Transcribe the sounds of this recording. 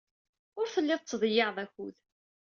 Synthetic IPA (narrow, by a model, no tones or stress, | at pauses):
ʊɾθəlːɪðˤt͡sːðˤjɑðˤæçuð